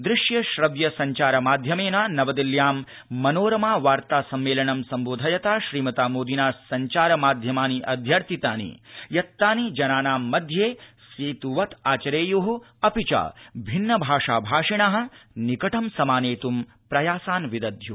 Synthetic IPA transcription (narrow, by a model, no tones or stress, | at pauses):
d̪ɾɪʂjɐʃɾɐʋjɐsɐɲt͡ʃaːɾɐmaːd̪ʱjɐmeːnaːnɐʋɐd̪iljaːmː | ɐnoːɾɐmaːʋaːɾt̪aːsɐmːeːlɐɳɐmsɐmboːd̪ʱɐjɐt̪aːʃɾiːmɐt̪aːmoːd̪inaːsɐɲt͡ʃaːɾɐmaːd̪ʱjɐmaːniʔɐd̪ʱjɐɾt̪ʰit̪a̰ːnḭjɐt̪ːaːnid͡ʒɐnaːnaːmːɐd̪ʱjeː | siːt̪uʋɐt̪ʰaːt͡ʃɐɾeːjuɦu | ɐpit͡ʃa̰ːbʱinːɐbʱaːʂaːbʱaːʂiɳaːɦɐ̆nikɐʈɐmsɐmaːneːt̪um | pɾɐjaːsaːnʋid̪ɐd̪ʱju